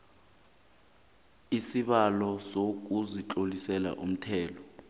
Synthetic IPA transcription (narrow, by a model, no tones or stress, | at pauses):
isiɓalɔsok̬uzit͡ɬʼolisɛla̰ʔum̩tʰɛːlɔ